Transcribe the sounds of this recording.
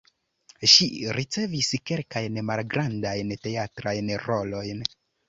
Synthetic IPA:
ʃiɾit͡se̞viske̞lkajnmalɡɾandajnte̞atɾajnɾo̞lo̞jn

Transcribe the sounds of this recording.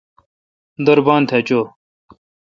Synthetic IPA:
d̪ɐɾbaːnt̪ʰet͡ɕoː

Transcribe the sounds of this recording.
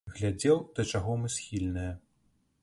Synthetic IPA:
ɣlʲad͡zʲɛwd̪̥ɐt͡ʂaɣɔmɨsxʲilʲnɨjɐ

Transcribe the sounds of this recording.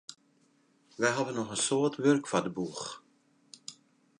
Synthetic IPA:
ʋɛɦavənːɔχənsoːtʋørkfadəbux

